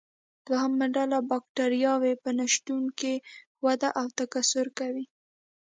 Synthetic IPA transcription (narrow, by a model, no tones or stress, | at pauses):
d̪̥wahamaɖalabɑk̚ʈaɾjɑwepənaʃt̪unke | wad̪aʔawt̪akasʊɾkawi